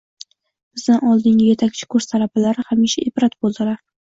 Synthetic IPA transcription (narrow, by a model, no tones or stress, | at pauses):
b̥ɪzd̪anɒlˠd̪ɪŋʲɪje̞t̪ʰakʲt͡ʃʰɪ̥kʰɵɾst̪ʰalabalaɾɪhamiʃaʔebɾat̪bolˠd̪ɪlaɾ